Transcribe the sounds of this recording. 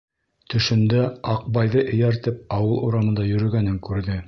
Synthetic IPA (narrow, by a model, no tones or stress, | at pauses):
t̪ɵ̆ʃɵ̆nd̪æɑq̚bɑjðɤʔɘ̆jæɾt̪ɘp̚ɑwɤlˠuɾɑmɤ̆nd̪ɑjɵ̆ɾɵ̆ɡænɘŋkʉɾðɘ